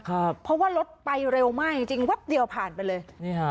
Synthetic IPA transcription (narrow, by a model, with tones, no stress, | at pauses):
kʰa˥˩pʰɔ˦˥waː˥˩lo˦˥t̪̚pa˧jɾe˧wmaː˥˩k̚t͡ɕi˧ŋt͡ɕi˧ŋwɛ˦˥p̚d̪i˧əwpʰaː˨˩npa˧jlɤː˧jni˦˥˩a˦